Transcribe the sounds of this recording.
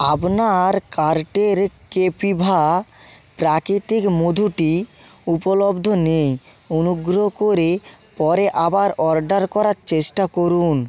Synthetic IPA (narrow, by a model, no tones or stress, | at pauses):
abnaɾkaɾʈeɾkepibʱa | pɾakɾit̪ikmod̪ʱuʈi | upolobd̪ʱonej | onuɡɾokoɾepɔɾeʔabaɾɔɾɖaɾkɔɾaɾt͡ɕeʃʈakoɾun